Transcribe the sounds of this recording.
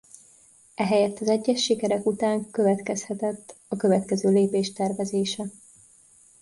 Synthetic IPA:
ʔɛɦɛjɛt̪ːɒzɛɟːɛʃːikɛɾɛkut̪aːŋkøvɛt̪kɛshɛt̪ɛt̪ːɒkø̞vɛt̪kɛzøːleːpeːʃt̪ɛrvɛzeːʃɛ

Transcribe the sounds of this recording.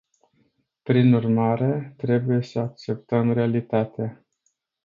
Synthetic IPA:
pɾinurmaɾe̞t̪ɾe̞buje̞səak̚t͡ʃe̞p̚t̪əmɾe̞alit̪at̪ea

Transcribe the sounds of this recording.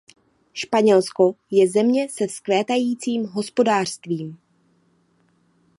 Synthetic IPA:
ʃpaɲɛlsko̞jɛzɛmɲɛsɛfsklɛːt̪ajiːt͡siːmɦo̞spo̞daːr̥st̪viːm

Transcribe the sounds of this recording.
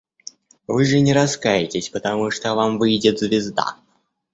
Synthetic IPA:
vɨʐɨnʲɪɾɐskajɪtʲɪsʲpət̪ɐmuʂt̪ovamvɨjdʲɪt̪zvʲɪzd̪a̰

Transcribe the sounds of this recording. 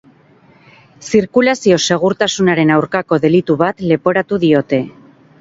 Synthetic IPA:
siɾkulasio̞se̞ɣ̞uɾt̪asunaɾe̞nawɾkako̞ðe̞lit̪uβat̪le̞po̞ɾat̪uðio̞t̪e̞

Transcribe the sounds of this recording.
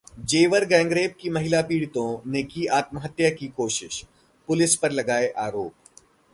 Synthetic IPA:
d͡ʒeːʋəɾɡɛ̃ːŋɡɾeːb̚kimɐɦɪlapiːɽɪt̪õnekiaːt̪məɦət̪jakikoːʃɪʃ | pʊlɪspɐɾlɐɡaːeʔaːɾoːp̚

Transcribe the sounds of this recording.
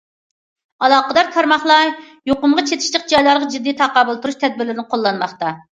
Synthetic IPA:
ɑlˠɑːqəd̪ɑɾt̪ʰɑɾmɑχlˠɑ | joqʊmʁɑt͡ʃʰet̪ʰɪ̥ʃlɪq̚d͡ʒɑjlˠɑɾʁɑd͡ʒid̪ːit̪ʰɑqɑːbɨlˠt̪ʰuɾuʃt̪ʰɛd̪̚bɪɾlɪɾɪnɪqʰolˠːɑnmɑχt̪ɑ

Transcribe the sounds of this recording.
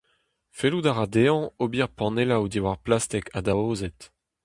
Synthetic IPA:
feludaʁad̪eɑ̃obiʁpɑ̃nelawd̪iwaʁplast̪ɛkʰad̪aoːzet̪

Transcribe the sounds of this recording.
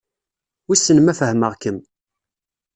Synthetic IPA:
wisːənəmæfəhməʁkəm

